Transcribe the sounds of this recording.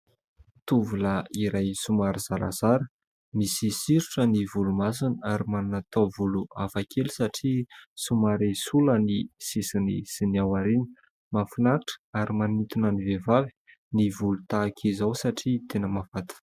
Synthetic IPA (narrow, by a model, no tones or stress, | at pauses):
t̪uvuləiɾajsumaɾiz̥aɾa̰z̥aɾə̥ | misisiɾuʈ͡ʂənivulumasinaɾimanunat̪ovuluafakʰelisaʈ͡ʂisumaɾisulənisisinḭsiniawaɾini̥ | mafinaʈ͡ʂə̥aɾimanit̪unənivevavi̥ | nivulut̪aːkʰizawsaʈ͡ʂit̪enəmavat̪i̥